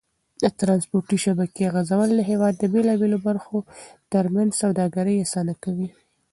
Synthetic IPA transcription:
d̪ət̪ɾɑnspoɾʈiʃabakeaɣazawəlləɦewɑd̪ːəbelɑbelobaɾxot̪əɾmanzsawd̪ɑɡaɾəjasɑnakawi

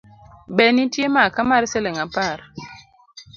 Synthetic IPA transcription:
ɓɛnitjemakamaɾsɛlɛŋapaɾ

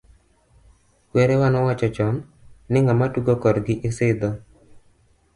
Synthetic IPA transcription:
kwɛɾɛwanɔwat͡ʃɔt͡ʃɔm | nɪŋamatuɡokɔdɡɪʔɪsɪd̪ɔ

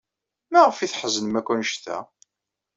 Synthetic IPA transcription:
mæʁəfiθħəzənmækʷːunʃθæ̰

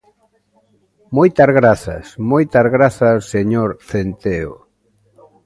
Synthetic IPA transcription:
mojt̪ɐzɣɾaθɐ̰smojt̪azɣɾaθɐsseɲoɾθent̪eo̰

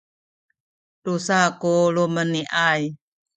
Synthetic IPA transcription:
tusakoloməniʔaj

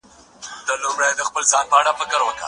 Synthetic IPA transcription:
d̪̥əlumɾajd̪əxpəlzɑnpəaɽafɪkəɾwəka̰

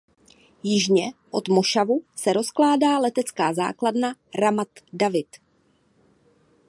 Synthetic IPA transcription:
jɪʒɲɛʔo̞t̪moʃavusɛɾo̞sklaːdaːlɛt̪ɛt͡skaːza̰ːkladnaɾamat̪davɪt̪

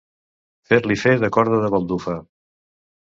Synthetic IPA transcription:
feɾlifeðəkɔɾðəðəβəlˠd̪ufə

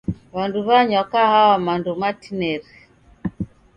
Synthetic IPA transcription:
βanduβaɲɔkahawamandɔmatinɛɾi

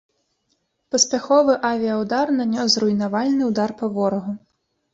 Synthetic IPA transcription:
pɐspʲaxɔvɨʔavʲiɐwd̪arnanʲɔsrʊjnavalʲnɨwd̪arpɐvɔɾɔɣu

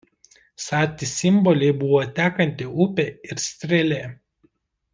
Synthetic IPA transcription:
sɑːt̪ʲɪsʲɪmbɔlʲɛɪbʊʋɔt̪ʲæːkɐnʲt̪ʲɪʊpʲeˑɪɾsʲt̪ʲɾʲɛlʲeː

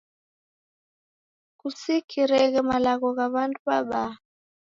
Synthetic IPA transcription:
kusikʰiɾɛɣɛmalaɣɔɣaβanduβaɓa

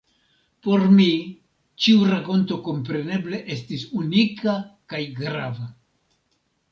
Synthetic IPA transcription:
po̞ɾmi | t͡ʃiuɾako̞nto̞ko̞mpɾe̞ne̞ble̞ʔe̞stisunikakajɡɾa̰va

